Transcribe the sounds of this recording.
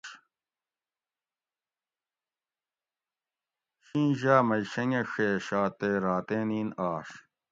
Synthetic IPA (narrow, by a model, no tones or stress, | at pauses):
ɕĩːʑaːmɐiɕɐŋeʂeːɕaːt̪eːɾaːt̪eniːnaːʂ